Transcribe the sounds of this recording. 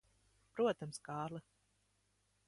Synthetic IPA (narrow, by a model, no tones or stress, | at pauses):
pɾuɔt̪amskaːɾlˠɨ